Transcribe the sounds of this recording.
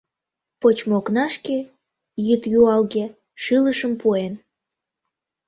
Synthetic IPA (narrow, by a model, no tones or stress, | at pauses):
pot͡ɕmoknɑʃke | jɨt̪juɑlɣe | ʃɨləʃəmpuen